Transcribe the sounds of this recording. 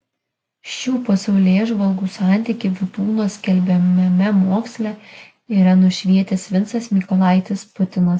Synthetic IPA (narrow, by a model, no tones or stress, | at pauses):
ʃʲuːposʲɛʊlʲeːʒʋɐlˠɡuːsɑˑnʲt̪ʲɪkʲɪʋʲɪt̪uːnoːsʲkʲɛlʲbʲɛmʲɛmʲɛmoːksʲlʲɛ | iːɾɐnʊʃʲʋʲiɛt̪ʲɛsʲʋʲɪnt̪sɐsmʲikɔlˠɑˑɪt̪ʲɪspʊt̪ʲɪnɐs